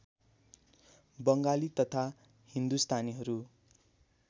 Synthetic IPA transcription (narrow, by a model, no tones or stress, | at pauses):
bʌŋɡalit̪ʌt̪ʰa | hind̪ust̪ʰaniɦʌɾu